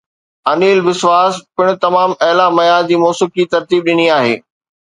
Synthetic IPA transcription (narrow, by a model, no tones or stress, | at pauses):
ɐniːlbɪsʋaːspɪɽ̃ʊ̆t̪ɐmaːmɐɦɪlamɐjaːzd͡ʑiːmɔːsɪkit̪ɐɾt̪iːb̚ɗɪniaːɦḛː